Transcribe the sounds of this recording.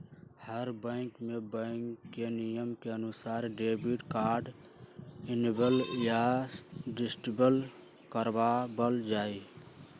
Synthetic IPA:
həɾbɛ̃ŋkmẽbə̃ŋkːenijəmkeənʊsaːɾɖeːbiʈkaːɾɖ | ɪnbəlja | ɖɪsʈibəl | kəɾbabəld͡ʒaːi

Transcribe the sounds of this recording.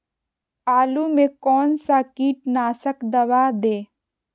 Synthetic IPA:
aːlumẽkɔːnsakiːʈ̚naːsəkd̪ɐʋaːd̪eː

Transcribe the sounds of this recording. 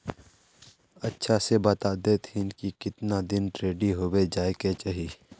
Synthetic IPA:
ɐtːʃʰasebɐt̪aːd̪et̪ʰinkikɪt̪nad̪ɪnʈɾeːɖiɦoːwed͡ʒaːeket͡ʃaɦi

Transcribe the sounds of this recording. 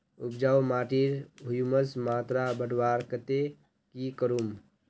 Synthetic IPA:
upd͡ʒawmaʈiɾɦujuməsmaːt̪ɾabəɽwaɾkət̪e | kikəɾum

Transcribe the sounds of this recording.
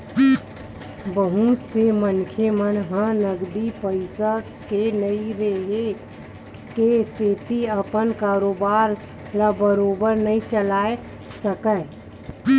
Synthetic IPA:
bəɦusemənkʰemənɦãnəɡd̪ipəɪsə | kenəiɾeɦe | keseːt̪iəpənkaːɾoːbaːɾ | labəɾoːbəɾnəɦĩt͡ʃəlaːe | səkə

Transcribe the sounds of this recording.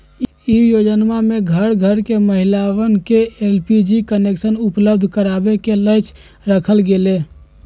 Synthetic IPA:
ijod͡ʒənmameɡʱəɾɡʱəɾkeməɦilawənkeelpid͡ʒikəneksənupləbd̪ʱkəɾabekeləjt͡ʃ | ɾəkʰəlɡele

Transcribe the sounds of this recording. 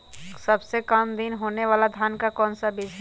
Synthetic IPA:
səbsekəmd̪inɦoːneʋaːlad̪ʱjaːnkakɔːnsabɪd͡ʒɦ

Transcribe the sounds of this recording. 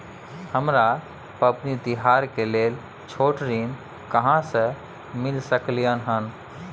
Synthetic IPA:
həmɾa | pəpnit̪ɪɦaːɾkeleːl | t͡ʃʰoːʈɾiːn | kəɦãsə | mɪlsəklijənɦən

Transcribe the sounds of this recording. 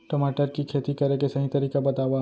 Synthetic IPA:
ʈɐmaːʈəɾkikʰeːt̪ikɐɾekesɐɦĩt̪ɐɾiːkabɐt̪aːwa

